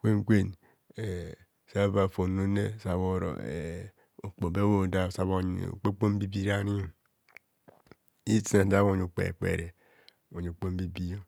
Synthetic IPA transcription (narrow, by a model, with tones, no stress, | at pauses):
kʷe˦ŋ˦kʷe˦n | e˨ | sa˦βa˨fo˨no˦nḛ˦˨sa˨βo˦˨ɾo̰˨ḛ˨ | o˨k͡po˨be˦wo˦˨da˦˨sa˨˦βo̰˦˨k͡pe˦k͡po˦m̩˦bi˦bi˦ɾa˦ni˦˨ | i˦ti˦a˨da˦βo˦˨ɲu˨k͡pḛ˨k͡pḛ˨ɾe˨ | o˨ɲ˨o˨k͡po˦m˦bi˦bi˦jo˦